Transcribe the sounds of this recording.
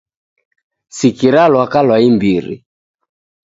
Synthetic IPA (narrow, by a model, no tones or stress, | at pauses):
sikiɾalwakalwaimbiɾḭ